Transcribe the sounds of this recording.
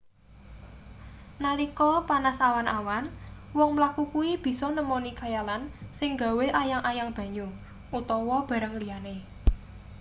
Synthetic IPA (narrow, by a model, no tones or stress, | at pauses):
nalikɔpanasawanʔawanwɔŋmlakukuib̥i̤sɔnəmɔnikajalansɪŋɡa̤weʔajaŋʔajaŋb̥ä̤ɲu | ʔut̪ɔwɔb̥a̤ɾəŋlijane